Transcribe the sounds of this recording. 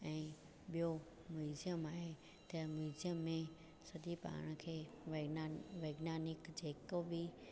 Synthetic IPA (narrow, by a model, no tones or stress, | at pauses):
ɛ̃ː | ɓijo | muɪzijəmaːɦe | t̪ɐmuzjəmːẽ | sɐd̪ʱipa̰ːɽ̃əkʰeː | ʋʋeːɡnaːnɪkd͡ʑeːkobi